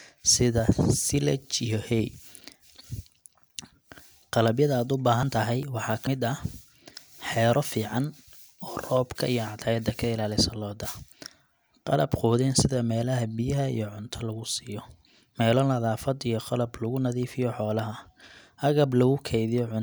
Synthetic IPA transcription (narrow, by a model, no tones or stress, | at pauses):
sɪðɐsɪlɐ̰t͡ʃijɔhɛj | qɑlɐbjɐðɐaːd̪ʊbaːɦɐnt̪ʰɐɦɛjwɑħɑːkʰɐmɪd̪ɐ | ħɛːɾɔfiːʕɑn | ɔːrɔːbkʰɐ̰ijɔʕɑd̪ʰajɐd̪ɐkʰɐɪlaːlɪsɐlɔːd̪ɐ | qɑ̰lɐbqɔːðɛːnsɪðɐmɛːlɐɦɐbɪjɐɦɐḭjɞʕʊnt̪ʰɐlɐɣʊsiːjɔ | mɛːlɔːlɐðaːfɐd̪ijɔqɑlɐblɐɣʊnɐðiːfɪjɔħɔːlɐɦɐ | hɐɣɐblɐɣʊkʰɛjðɪjɔʕʊ